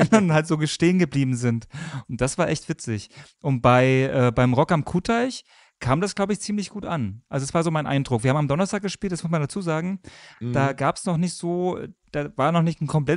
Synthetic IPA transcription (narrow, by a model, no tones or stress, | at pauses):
ɛndanhaltz̥oːɡəʃteːənɡəbliːbm̩zɪntʔʊnt̚d̥asv̥aːɐʔɛçtv̥ɪt͡sɪçʔʊnt̚b̥aɪʔɛːbaɪmʁɔkamkʰuːtʰaɪç | kʰaːmdasɡ̥laʊbəɪçt͡siːmlɪçɡ̥uːtʔanʔalzodasv̥aːɐzoːmaɪnʔa̰ɪndʁʊkv̥iɐhaːmamdɔnɐstʰaːk̚əʃpiːltasmʊs̬mandat͡suːzaːɡŋ̩d̥aːɡaːpsnɔχnɪçtz̥oːɛd̥aːvaːɐnɔχnɪçtn̩kʰɔmpl̥ɛ